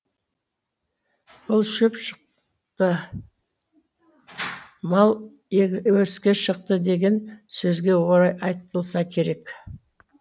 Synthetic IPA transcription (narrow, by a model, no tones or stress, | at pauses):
b̥ʊlˠʃɵpʃəq | t̪ə | mɑlˠ | wɵɾɪskʲe̞ʃəq̚t̪əd̪e̞ɡʲe̞nsɵzɡʲe̞wo̞ɾˠɑjɑjt̪əlˠsɑkʲʰe̞ɾe̞k